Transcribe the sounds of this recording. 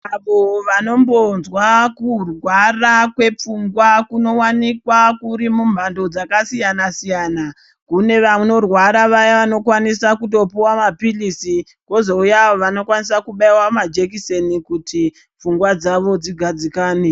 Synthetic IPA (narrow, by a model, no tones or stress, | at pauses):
aʋoʋano̞mbo̞nzwakurwarakwe̞p͡fuŋɡwakuno̞wanikwakuɾimumbando̞d͡zakasijanasijaːna | kune̞ʋano̞rwaɾaʋajaʋano̞kwanisakuto̞piwamapilisi | ko̞zo̞ujaːʋoʋano̞kwanisakuɓaiwamad͡ʒe̞kise̞nikutʰi | p͡fuŋɡwad͡zaʋo̞d͡ziɡʱad͡zikaːne